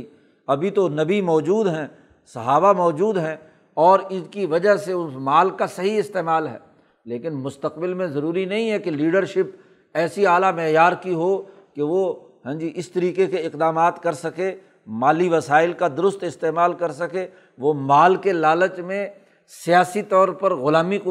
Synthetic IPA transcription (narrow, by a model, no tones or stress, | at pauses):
ɐbʱit̪onɐbimɔːd͡ʒuːd̪ɦɛ̃ː | sɐɦaːbamɔːd͡ʒuːd̪ɦɛ̃ | ɔːɾɪkiʋɐd͡ʒəɦseʊsmaːlkasɐɦiɪst̪eːmaːlɦɛ̰ː | leːkɪnmʊst̪əqbɪlmẽzɐɾuːɾinɐɦĩɦɛkeliːɖəɾʃɪp | ɛːsiaːlamɛɦjaːɾkiɦo | keʋo | ɦɛ̃d͡ʒiʔɪst̪ɐɾiːkekeɪqd̪aːmaːt̪kɐɾsɐke | maːliʋɐsaːɪlkad̪ʊɾʊst̪ɪst̪eːmaːlkɐɾsɐke | ʋomaːlkelaːlət͡ʃmẽ | sijaːsit̪ɔːɾpɐɾɣʊlaːmik